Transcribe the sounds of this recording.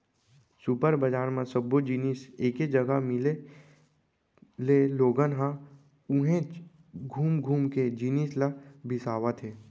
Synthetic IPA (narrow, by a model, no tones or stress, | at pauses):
supəɾbəd͡ʒaːɾmãsəbːod͡ʒiːniseːked͡ʒəɡamɪle | leloːɡənɦã | ʊɦẽ | ɡʱuːmɡʱuːmked͡ʒiːnislabʱɪsaːʋat̪ʰeː